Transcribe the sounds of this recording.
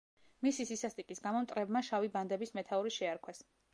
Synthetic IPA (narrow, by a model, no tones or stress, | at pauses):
misisisast̪ʼikʼisɡamɔmt̪ʼɾɛbmaʃaviband̪ɛbismɛt̪ʰauɾiʃɛaɾkʰwɛs